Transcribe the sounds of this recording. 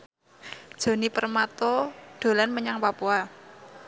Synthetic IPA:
d̥ʒ̥o̤nipərmat̪ɔɖ̥o̤lanməɲaŋpapua

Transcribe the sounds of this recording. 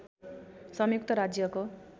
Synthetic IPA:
sʌmjuk̚t̪ʌɾad͡zjʌko

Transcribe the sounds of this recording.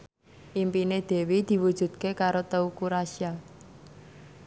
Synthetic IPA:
ʔimpined̪̥e̤wid̪̥i̤wud̥ʒ̥ṳd̪̥̚kekaɾot̪əukuɾasia

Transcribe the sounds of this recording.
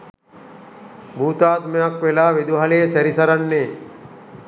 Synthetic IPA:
bʱuːt̪aːt̪mejakʋelaːʋed̪uɦɐlejesæɾisɐɾanːeː

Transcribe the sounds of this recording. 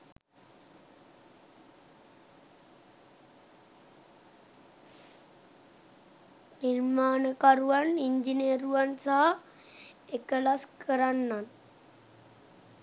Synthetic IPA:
niɾmaːnəkaɾuʋaniɲd͡ʒiniəɾuʋansaɦa | ekəlaskʰəɾanːan

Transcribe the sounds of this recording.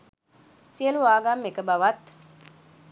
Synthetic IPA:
siəluʋaːɡamːekəbaʋat̪

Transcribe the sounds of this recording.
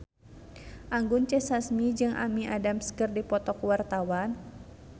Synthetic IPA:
ʔaŋɡʊnt͡ʃɛsasmid͡ʒɨŋʔa̰miʔa̰damskɨrdipɔt̪ɔkwart̪awan

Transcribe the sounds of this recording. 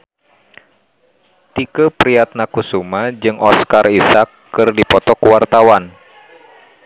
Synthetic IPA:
t̪ikəpɾiat̪̚nakusumad͡ʒɨŋɔskarisakːɨrdipɔt̪ɔkuwart̪awan

